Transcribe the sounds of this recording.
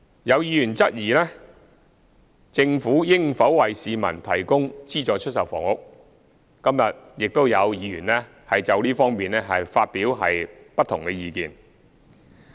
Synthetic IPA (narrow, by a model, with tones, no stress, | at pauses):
jɐ˨˧wjiː˨˧jyː˨˩nt͡sɐ˥t̚jiː˨˩lɛː˥ | t͡sɪ˧ŋfuː˨˥jɪ˥ŋfɐ˨˥wwɐ˨jsiː˨˧mɐ̰˨˩nt̪ʰɐ˨˩jkʊ˥ŋt͡siː˥t͡sɔː˨˧jt͡ʃʰɵ˥t̚sɐ˨˩wfɔ̰ː˨˩ŋhʊ˨k̚ | kɐ˥mjɐ˨t̚jɪ˨k̚t̪o˥wjɐ˨˧wjiː˨˧jyː˨˩nɛː˥ | hɐ˨jt͡sɐ˨˧wliː˥fɔː˥ŋmiː˨nlɛː˥ɦɐ˨jfaː˧t̚piː˨˥wɦɐ̰˨j | pɐ˥t̪ʰːʊ˨˩ŋkɛ˧jiː˨˧kiː˨n